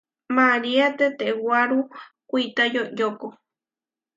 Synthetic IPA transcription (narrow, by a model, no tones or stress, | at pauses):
maɾiat̪et̪ewwaɾukʷit̪ajojoko